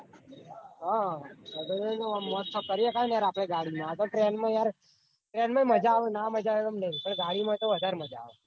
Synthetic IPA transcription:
ɦã | bənẽd͡ʒomːɔt̪ʰːəkəɾijekanjaɾapɽ̃eɡaɽimãt̪oʈɾenmãjaɾ | ʈɾenmãməd͡ʒaʋnãməd͡ʒaʋeʋəmnəɦĩpəɳɡaɽimãt̪oʋəd̪ʱaɾməd͡ʒa̰ʋe

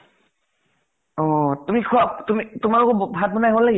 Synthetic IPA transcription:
ɔtumikʰuap̚tumitumaɹɔkɔbʱat̚bɔnajɦalaɡɛ

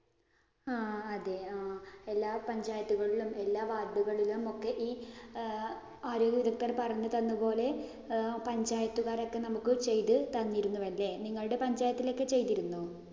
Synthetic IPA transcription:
aːɐðe̞aelːaːpɐɲd͡ʑaːjɐt̪ːuɣɐɭilume̞lːaːʋaːrɖuɣɐɭilumo̞kːe̞ʔiː | aːɾo̞ːɡjɐʋid̪ɐkːɐrpɐrɐɲːɐt̪ɐnːupo̞ːle̞ | pɐɲd͡ʑaːjɐt̪ːuɣaːɾo̞kːe̞nɐmukːɨt͡ɕe̞jt̪ɨt̪ɐnːijɾunːuʋɐlːe̞niŋːɐɭuɽe̞pɐɲd͡ʑaːjɐt̪ːilo̞kːe̞t͡ɕe̞jt̪iɾunːu

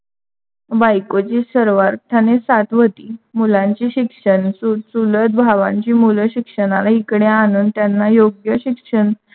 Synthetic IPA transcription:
bajkot͡ɕiːsəɾʋaɾt̪ʰanesat̪ʋət̪iːmulãɲt͡ɕiːɕikʂənsusulət̪̚bʱaʋã̰ɲt͡ɕiːmuləɕikʂəɽalaɦikɽeanuːnt̪janːajoɡjəɕikʂəɳ

